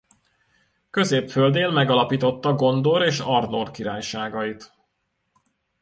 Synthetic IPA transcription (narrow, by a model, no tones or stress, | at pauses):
kø̞zeːpfø̞ld̪eːlmɛɡɒlɒpiːt̪o̞t̪ːɒɡo̞nd̪o̞ɾeːʃɒrd̪orkiɾaːjʃaːɡɒit̪